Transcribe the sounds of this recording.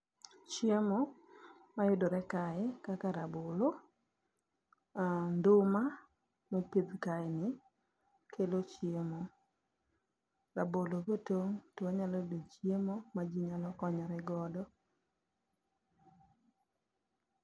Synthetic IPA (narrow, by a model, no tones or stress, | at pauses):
t͡ʃjemo | majʊdoɾɛkaɪkakaɾabolo | andʊma | mopid̪kaɪnɪ | kʰelot͡ʃjemo | ɾabolokotoŋtwaɲalɔdot͡ʃjemomad͡ʒiɲalɔkɔɲɔɾɛɡɔdɔ